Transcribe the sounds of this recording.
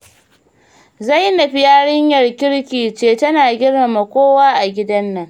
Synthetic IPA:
za˦jnɐ˨ɸi˦jaː˦ɽɪ˦ɲjɐ˨rkʲɪ˦ɽkʲiː˨t͡ʃeː˨tɐ˦naː˨ɡʲɪ˦ɽmɐ˨mɐ˨kʷoː˦waː˦ʔa˨ɡʲɪ˦dɐ˦nːɐ˨ŋ

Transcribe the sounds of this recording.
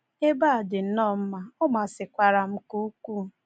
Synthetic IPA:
e˦ba˦˨dɪ˨n̩˦nɔ˦˨m̩˦ma˨ʊ˦ma˨sɪ˨kʷa˨ɾa˨m̩˦ku˦kʷu˦˨

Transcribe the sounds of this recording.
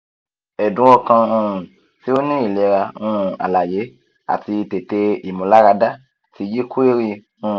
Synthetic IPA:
ɛ˨dũ˨˦wɔ˧kã˧ũ˧ũ˨ | si˦o˦nĩ˦i˨le˨˧˨ɾa˧ũ˦˨a̰˨la˨je˨˦ | a̰˨ti˧te˨te˧i˨mũ˨˦la˦ɾa˧da˦ | tʰi˧ji˦kʰu˦e˦ɾi˧ | ũ˧˨

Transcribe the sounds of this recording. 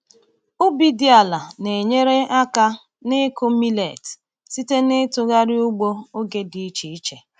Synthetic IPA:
ʊ˦bi˦di˦a˨la˨ne˨ɲe˦ɾe˦ʔa˦ka˦ | nɪ˦kʊ˦mi˦lḛ˨t | si˦te˦nɪ˦tʊ˦ɣa˦ɾɪ˦u˦ɡ͡bo˦o˦ɡe˦di˨i˦t͡ʃi˨i˦t͡ʃe˨

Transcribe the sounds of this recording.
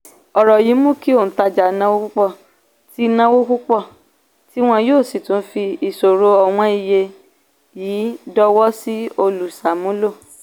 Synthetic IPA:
ɔ˨ɾɔ˨ji˨˦mũ˦ki˦o˦˨ta˧d͡ʒa˨˦nã˦wo˦ku˦k͡pɔ˦˨ | ti˦nã˦wo˦ku˦k͡pɔ˦˨ | ti˦w̃ɔ̃˧joː˦˨si˨tũ˨˦fi˧i˧˨so˨ɾo˧˦ɔ˧w̃ɔ̃˧i˧je˧ | jiː˨˦dɔ˧wɔ˦si˦o˧lu˨sa˨mũ˨˦lo˦˨

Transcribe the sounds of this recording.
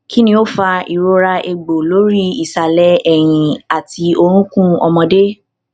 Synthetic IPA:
ki˦nĩ˧˦o˦fa˧i˨ɾo˦ɾa˧ʔe˧ɡ͡bo˨lo˨˦ɾi˦i˦˨sa˨lɛ˦ɛ˨j̃ĩ˨a˨tʰi˧o˧ɾ̃ũ˦kũ˦ɔ˧mɔ̃˧de˦

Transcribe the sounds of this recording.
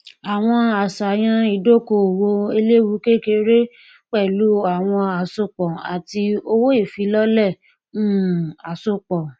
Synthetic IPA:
a˨w̃ɔ̃˧a˨sa˨j̃ã˧i˨do˦ko˧˨wo˧e˧le˦wu˧˦ke˦ke˧ɾe˦ | k͡pɛ˦˨lu˨˦a˨w̃ɔ̃˧a˨so˧k͡pɔ˨a̰˨ti˧o˧wo˦i˦˨fi˨˦lɔ˦lɛ̃˦˨˦ | a˨so˦k͡pɔ˨

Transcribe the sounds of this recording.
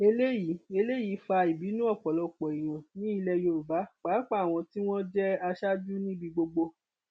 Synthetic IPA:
e˧le˦ji˨˦e˧le˦ji˨˦fa˧i˨bi˨˦nũ˦ɔ˦˨k͡pɔ˨lɔ˨˧˨k͡pɔ˨i˨j̃ã˨nĩ˨˦i˧lɛ˧jo˧˨ɾu˨ba˨˦k͡pa˨˦k͡pa˦˨w̃ɔ̃˧ti˦w̃ɔ̃˦d͡ʒɛ˦a˧ʃa˦d͡ʒu˦nĩ˦bi˧ɡ͡bo˧ɡ͡bo˧

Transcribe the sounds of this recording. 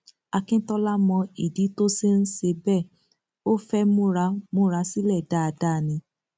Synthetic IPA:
a˧kĩ˦tɔ˦la˦mɔ̃˧i˨di˨˦to˦se˦n̩˦ʃe˧bɛ˦˨ | o˦fɛ˦mũ˦ɾa˧˦mũ˦ɾa˧˦si˦lɛ˦˨da˦˨a˧da˦˨nĩ˧˦

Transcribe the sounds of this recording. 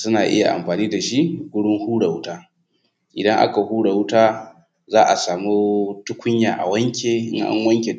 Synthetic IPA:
sʊ˦naː˨ʔɪ̰˦ja˨ʔa̰˨mɸaː˨niː˦da˨ʃi˦ʔɡʷʊ˦ɽɪ˦ŋhuː˦ɽa˨wʊ˦taː˦ | ʔɪ˨dɐ˦ŋʔa̰˦ka˨huː˦ɽa˨wʊ˦taː˦ | zaː˦ʔa˨saː˨mu˦tʊ˦kʷʰʊ˦ɲjaː˨ʔa̰˨wɐ˦ŋkʲeː˨ʔɪ̰˦ŋʔa̰˦ŋwɐ˦ŋkʲe˨

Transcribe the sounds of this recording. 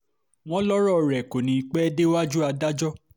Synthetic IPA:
w̃ɔ̃˦lɔ˦ɾɔ˦˨ɾɛ˨ko˨nĩ˨i˧˦k͡pɛ˦de˦wa˦d͡ʒu˦a˧da˦d͡ʒɔ˦

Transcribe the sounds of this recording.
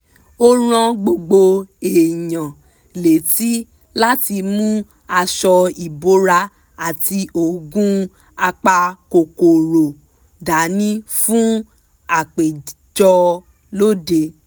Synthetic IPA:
o˦ɾ̃ã˧ɡ͡bo˧ɡ͡bo˧e˨jã˨ | le˨ti˦ | la˦ti˧mũ˦ | a˧ʃɔ˧i˨bo˦ɾa˧ | a˨ti˧ʔo˨ɡũ˦ | a˧k͡pa˧ko˨ko˨ɾo˨ | da˨˦nĩ˦fũ˦ | a˦˨k͡pe˨ | d͡ʒɔ˧ | lo˦de˧

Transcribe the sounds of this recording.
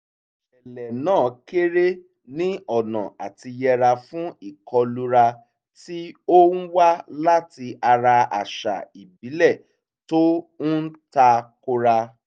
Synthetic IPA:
ʃɛ˨lɛ˨nãː˦˨˦ke˦ɾe˦ | nĩ˦ɔ˦˨nã̰˨a̰˨ti˧jɛ˧ɾa˧fũ˦i˦˨kʰɔ˧lu˦ɾa˧ | ti˦o˦n̩˦wa˦la˦ti˧a˧ɾa˧a̰˨ʃa̰˨i˨bi˨˦lɛ˦˨ | to˦n̩˦n̩˦ta˧ko˧ɾa˧

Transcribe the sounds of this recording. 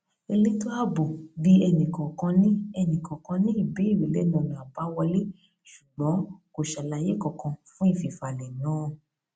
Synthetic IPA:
e˧le˦to˦a˦bo˨bi˧ɛ˧nĩ˨kɔ̃˨kɔ̃˧nĩ˦ɛ˧nĩ˨kɔ̃˨kɔ̃˧nĩ˦i˦˨be˨˦i˦˨we˨˦lɛ˦nã˨lã˨a˨ba˨˦wa˧le˦ | ʃu̥˨ɡ͡bɔ̃˨˦ko˨ʃa˧˨la˧je˨˦kɔ̃˨kɔ̃˧fũ˦i˦˨fi˨fa˨lɛ˨nãː˨˦

